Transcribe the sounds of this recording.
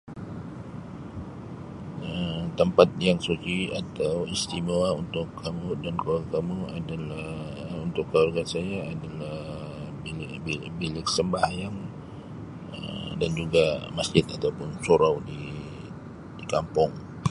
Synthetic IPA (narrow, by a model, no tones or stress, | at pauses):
ət̪əmpat̪̚jaŋsut͡ʃiat̪awist̪imoaunt̪ʊkʰːamudanklaakamuadala | unt̪ʊkːəlwarɡansajaːdalah | bilbi | bilɪk̚səmbahjaŋ | ə̰dand͡ʒuɡamasd͡ʒɪt̪at̪awpʊnsoɾawdi | dikampʊŋ